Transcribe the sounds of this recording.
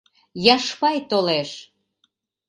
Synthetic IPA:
jɑʃpɑjt̪oleʃ

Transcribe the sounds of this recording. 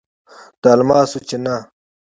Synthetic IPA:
t̪almaːsut͡ɕena

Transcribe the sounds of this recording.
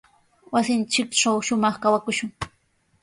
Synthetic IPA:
wasɪnt͡ʃɪkʈ͡ʂawʃʊmɑχkawakʊʃʊŋ

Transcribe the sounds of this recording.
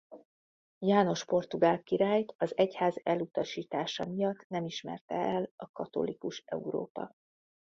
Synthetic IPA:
jaːno̞ʃpo̞rt̪uɡaːlkiɾaːjt̪ɒzɛchaːzɛlut̪ɒʃiːt̪aːʃɒmijɒt̪ːnɛmiʃmɛ̰rt̪ɛɛlɒkɒt̪o̞̰likuʃɛ̰uɾo̰ːpɒ̰

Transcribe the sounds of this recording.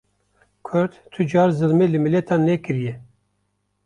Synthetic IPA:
kʰʊɾt̪t̪ʰɨd͡ʒɑːɾzɨlmelɨmilɛt̪ʰɑːnːɛkɨɾijɛ

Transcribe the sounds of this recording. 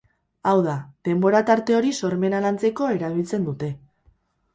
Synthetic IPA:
awðað̥e̞mbo̞ɾat̪aɾt̪e̞o̞ɾiso̞ɾme̞nalant͡se̞ko̞e̞ɾaβilt͡se̞nd̪ut̪e̞

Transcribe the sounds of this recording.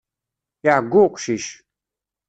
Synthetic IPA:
jaɡuqʷʃiʃ

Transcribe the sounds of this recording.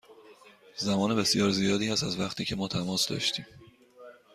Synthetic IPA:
zæmɒːne̞be̞sjɒːɾzijɒːd̪iːhæsæzvæxt̪ʰiːcʰe̞mɒːt̪ʰæmɒːsd̪ɒ̰ːʃt̪ʰiːm

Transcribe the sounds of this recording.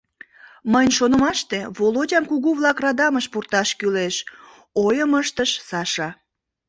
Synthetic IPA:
məjnʲʃonəmɑʃt̪eβolodʲɑmkuɣuβlɑkrɑd̪ɑməʃpurt̪ɑʃkyleʃ | ojəməʃt̪əʃsɑʃɑ

